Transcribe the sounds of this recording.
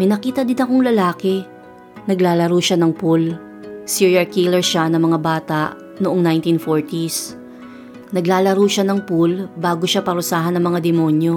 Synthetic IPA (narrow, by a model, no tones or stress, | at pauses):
mɐjnɐkiːt̪ɐd̪ɪnɐkoŋlɐlaːkɛ | nɐɡlaːlɐɾuʃanɐŋpul | siɹɐɹkilɛɹʃanɐŋmɐŋabaːt̪ɐʔ | noʔoŋnajnt̪infoɹt̪is | nɐɡlaːlɐɾuːʃanɐŋpulbaːɡoʃapɐɾʊsaːɦɐnɐŋmɐŋad̪ɛmoːnjo̞